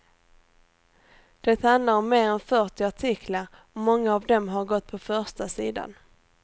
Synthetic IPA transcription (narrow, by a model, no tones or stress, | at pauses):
d̪̥ɛt̪hand̪laɾɔmːeːɾɛnfœʈɪaʈʰɪkʰlaɾ | ɔmːɔŋːaːvd̪ɔmɦaɾɡɔt̪̚ːpʰɔfœʂʈasiːd̪a̰n